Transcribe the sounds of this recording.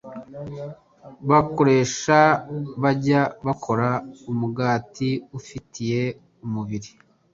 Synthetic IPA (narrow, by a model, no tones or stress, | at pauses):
βako̞ɾe̞ːʃaβaɟaβakʰo̞ɾaumuɡaːtiufitʰije̞ | umuβiɾi